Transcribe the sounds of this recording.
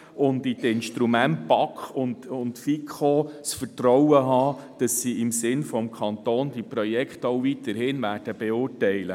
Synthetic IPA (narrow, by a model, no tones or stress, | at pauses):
ʊnditɪnʃtɾumæntpɑkχʊndʊntfikχosfəɾtɾɔwəɦɑːd̥ɑsːiɪmsɪnfɔmkʰχɑnt̪oːnd̥ipɾɔjɛkχtowvit̪ːəɾhɪnʋæːrd̥əb̥eʊːtɛɪlə